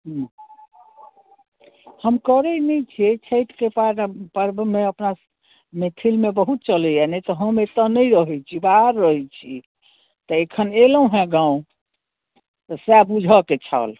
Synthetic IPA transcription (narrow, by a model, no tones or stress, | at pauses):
ɦu | həmkəɾɛnɛjt͡ʃʰiet͡ʃʰəjʈkepaɾpəɾbmẽəpna | met̪ʰilmebəɦut̪̚t͡ʃəlɛjanɛt̪ɔɦəmet̪ənəɾəɦɛt͡ʃʰibaɾːəɦɛt͡ʃʰḭ | t̪əekʰənelə̃ɦɛ̃ɡãũ | t̪əsɛbud͡ʒʱɔket͡ʃʰa̰l